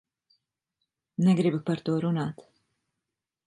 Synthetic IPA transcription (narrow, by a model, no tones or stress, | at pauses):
nɛɡɾibupaɾt̪uɔɾunaːt̪